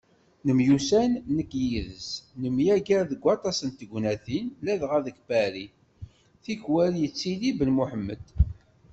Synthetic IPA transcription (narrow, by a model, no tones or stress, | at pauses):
nəmjusænːəkːjiðəsnəmjæɡæɾðəɡʷːɑt̪ˤɑsənt̪əɡʷnæθinlæðʁæðəkbæɾi | θiçwæljət͡sːilibəlmuħəmːəd̪̥